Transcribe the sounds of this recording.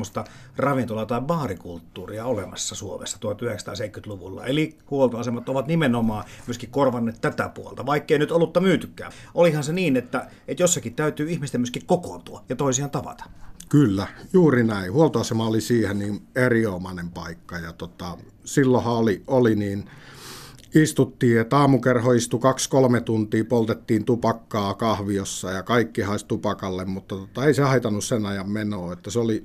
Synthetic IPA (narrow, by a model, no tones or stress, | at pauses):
ost̪ɑ | rɑʋint̪olɑt̪ɑiʋʋɑːrikult̪ːuːriɑolḛmɑ̰sːɑsuomḛsːɑt̪uohɑt̪yheksɑt̪ɑ̰ːseˑikːyt̪luʋṵlːɑ̰elihuolt̪oɑsemɑt̪oʋɑt̪nimenomɑːmyøskikkorʋɑnːeːt̪t̪æt̪æ̰puo̰lt̪ɑʋɑikːeinyt̪olːut̪ːɑmyːt̪ykːæ̰ːʔolihɑnseniːnet̪ːæ | et̪josːɑkit̪t̪æyt̪yːihmist̪emyøskikkokont̪uɑjɑt̪oˑisiɑnt̪ɑʋɑ̰t̪ɑ̥kylːæjuːrinæˑihuolt̪oɑsemɑolisiːheniːneriomɑnempɑikːɑjɑt̪ot̪ɑ | silːohɑolioliniːn | ist̪ut̪ːiːet̪ːɑːmukerhoist̪ukɑkskolmet̪unt̪iːpolt̪et̪ːiːnt̪upɑkːɑːkɑhʋiosːɑjɑkɑikːihɑisʲt̪upɑkɑlːemmut̪ːɑt̪ot̪ɑeisehɑit̪ɑnːussenɑjɑmmenoːet̪ːæseoli